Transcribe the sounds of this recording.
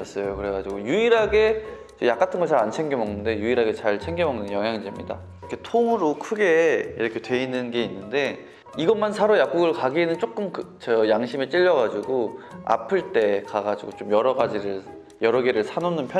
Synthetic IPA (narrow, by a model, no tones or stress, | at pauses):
s͈ʌjokɯɾe̞ɡad͡ʑiɡojuiɾɦaɡe̞ | t͡ɕejak͈atʰɯnɡʌt͡ɕaɾant͡ɕʰeŋɡemʌŋnɯnde̞juiɾɦaɡe̞t͡ɕaɭt͡ɕʰe̞ŋɡemʌŋnɯnjʌŋɦjaŋid͡ʑemɲida̰ | kʰetʰoŋɯɾokʰɯɡe̞iɾʌkʰe̞twe̞inːɯnɡe̞inːɯnde̞ | iɡʌmansʰaɾojak̚k͈uɡɯɭkaɡiːnɯnt͡ɕ͈ok͈ɯmkɯt͡ɕʌjaŋɕʰimet͡ɕ͈iʎːʌɣad͡ʑiɡoa̰pʰɯɭt͈e̞kaɡad͡ʑiɡot͡ɕomjʌɾʌɡad͡ʑiɾɯɭ | jʌɾʌɡeɾɯɭsʰanonɯnpʰjʌ